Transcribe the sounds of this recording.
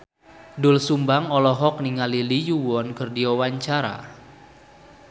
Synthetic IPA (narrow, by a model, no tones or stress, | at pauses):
dʊlsumbaŋɔlɔɦɔk̚niŋalilijuwɔnkərdiɔwaɲt͡ʃaɾa̰